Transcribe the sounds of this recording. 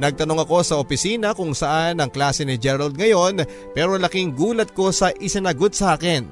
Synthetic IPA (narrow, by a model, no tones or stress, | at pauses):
nɐɡ̚t̪ɐno̞ŋɐko̞sɐʔopɪsiːnɐkʊŋsɐʔanɐŋklaːsɛnɪd͡ʒɛɾɐld̪̚ŋɐjo̞n | pɛːɾo̞lɐkɪŋɡuːlɐt̪̚ko̞sɐʔɪsɪnɐɡo̞t̪̚sɐʔaːkɛn